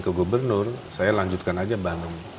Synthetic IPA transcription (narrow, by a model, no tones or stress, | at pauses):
kəɡubərnʊrsajalaɲd͡ʒut̪̚kanad͡ʒabanʊŋ